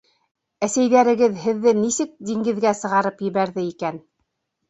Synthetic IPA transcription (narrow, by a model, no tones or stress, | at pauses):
æsæjðæɾɘ̆ɡɘðɦɘ̆ðːɘnisɘk̚d̪iŋɡɘ̆ðɡæsɤ̆ʁɑɾɤpjɘ̆βæɾðɘikæn